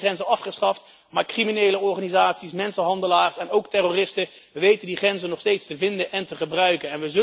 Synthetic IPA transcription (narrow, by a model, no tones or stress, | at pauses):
χɛnzənɑfχəsχɑft | maːɹkriminejləɔɹχaːnizaːtsismɛnsənɦɑndəlaːɹsɛnowktɛrorɪstə | ʋəʋejtəndiχrɛnzənɔχstejtstəvɪndənʔɛntəχəbrœɥkənɛnʋəzɵ